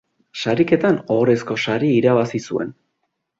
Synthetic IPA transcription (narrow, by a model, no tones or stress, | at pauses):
saɾike̞t̪ano̞ɾe̞sko̞saɾiiɾaβasisue̞̰n